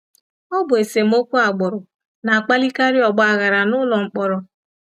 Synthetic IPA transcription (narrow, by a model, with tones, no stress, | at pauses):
ɔ˦bʊ˨e˨se˨m̩˦o˦kʷu˦a˨ɡ͡bɔ˨ɾʊ˨ | na˨a˨k͡pa˦li˦ka˦ɾi˦ɔ˨ɡ͡bɔ˦a˨ɣa˨ɾa˨nʊ˦lɔ˨ŋ͡m̩˨k͡pɔ˦ɾɔ˨